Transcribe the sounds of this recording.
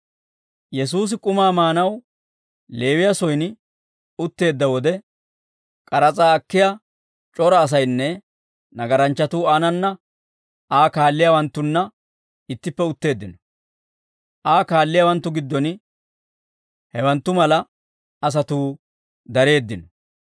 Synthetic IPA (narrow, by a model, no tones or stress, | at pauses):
jɛs̬uːs̬ɪkʼʊmaːmaːnɐw | le̞ːwɪjɐsɔjn | ʊt̪ːe̞ːd̪ːɐwɔd̪ɛ | kʼɐɾɐt͡sʼaːɐkːɪja | t͡ʃʼɔɾɐːs̬ɐjnːɛ | nɐɡɐɾɐnt͡ʃːɐt̪uːaːnɐnːɐ | ʔaːkaːlːɪjawɐnt̪ːʊnːɐ | ɪt̪ːɪpːɛʊt̪ːe̞ːd̪ːɪnɔ | ʔaːkaːlːɪjawɐnt̪ːʊɡɪd̪ːɔn | hɛwɐnt̪ːʊmɐlɐ | ɐs̬ɐt̪uː | d̪ɐɾe̞ːd̪ːɪnɔ